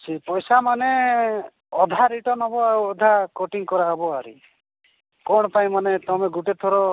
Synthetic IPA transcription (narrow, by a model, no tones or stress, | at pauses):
t͡ʃʰipɔjsamane | ɔd̪ʱaɾiʈɔnɔbɔauɔd̪ʱakoʈiŋkɔɾaɦɔbɔaɾḭ | kɔɽ̃ɔpaĩmanet̪ɔmeɡuʈet̪ʰɔɾɔ